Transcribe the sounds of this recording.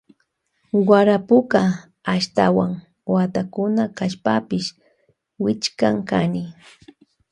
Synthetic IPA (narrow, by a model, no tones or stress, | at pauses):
waɾapʊkaː | ʃt̪awaŋ | wat̪akʊnakaʃpapɪʃ | wɪt͡ʃkaŋkanɪ